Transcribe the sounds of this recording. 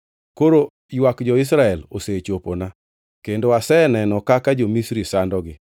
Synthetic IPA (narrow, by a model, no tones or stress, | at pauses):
koɾo | jwakd͡ʒɔɪs̬ɾaɛlo̰set͡ʃopona | kendoasɛnɛnɔkakad͡ʒomisɾisandɔɡɪ